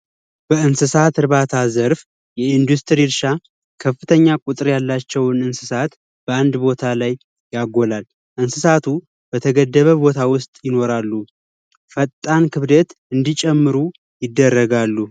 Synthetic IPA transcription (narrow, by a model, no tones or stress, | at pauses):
b̥əɨnsɨsat̪ʰɨɾβat̪ʰazəɾf | jɛind̪ust̪ʰɾiɾʃa | kʰəfːɨt̪ʰəɲːakʼut̪ʼɨɾjalːat͡ʃːɛwnɨnsɨsat̪ | b̥əand̪bo̞t̪ʰalajː | aɡo̞lal | ʔɨnsɨsat̪ʰu | bət̪ʰəɡəd̪ːəβəbo̞t̪ʰawʊst̪ʼjɪno̞ɾalːu | fət̪ʼːankʰɨβd̪ət̪ɨnd̪it͡ʃʼɛmːɨɾu | jɪd̪ːərːəɡalːu